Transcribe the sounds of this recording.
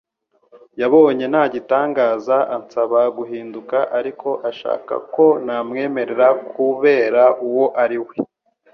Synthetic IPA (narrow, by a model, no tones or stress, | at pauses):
jaβo̞ːɲe̞naɟitaːŋɡaːzaʔant͡saβaɡuɦiːndukaʔaɾikʰo̞ʔaʃa̰ːka̰ko̞namŋe̞ːme̞ɾe̞ɾakʰuβe̞ːɾaʔuwo̞ʔaɾiwe